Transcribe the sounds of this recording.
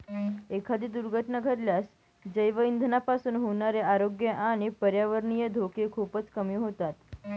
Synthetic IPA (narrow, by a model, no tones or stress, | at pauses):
ekʰad̪iːd̪uɾɡʱəʈɳəɡʱəɾljas | d͡ʑəjʋəind̪ʱənapasuːnɦoɳaɾeaɾoɡjəʔaɽ̃ipəɾjaʋəɾɳijəd̪ʱokekʰupət͡skəmiũɦot̪at̪